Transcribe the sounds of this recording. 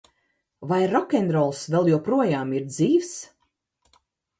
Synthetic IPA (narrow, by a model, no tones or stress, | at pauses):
vajɾɔkʲɛnɾɔlˠsvɛlˠjupɾuɔjaːmiɾd̪ziːvs